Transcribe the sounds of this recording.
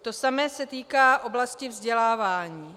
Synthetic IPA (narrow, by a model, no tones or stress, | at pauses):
t̪o̞samɛːsɛt̪iːkaːʔo̞blascɪvzɟɛlaːvaːɲiː